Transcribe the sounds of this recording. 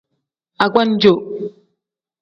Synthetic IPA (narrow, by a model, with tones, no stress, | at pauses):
a˨ɡwa˦n˦d͡ʒo˨ʔ